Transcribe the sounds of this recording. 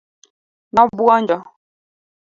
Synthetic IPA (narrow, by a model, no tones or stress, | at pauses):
nɔbuɔnd͡ʒɔ